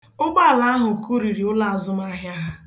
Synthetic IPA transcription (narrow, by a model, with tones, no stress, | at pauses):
ʊ˦ɡ͡ba˦˨la˦a˦ɦʊ˨ku˦ɾi˨ɾi˨˦ʊ˦la˦a˨zʊ˦m˦a˦ɦja˦ɦa˦